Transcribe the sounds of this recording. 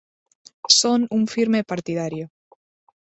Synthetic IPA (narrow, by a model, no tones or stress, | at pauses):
sonuɱfiɾmepaɾt̪ið̞aɾjo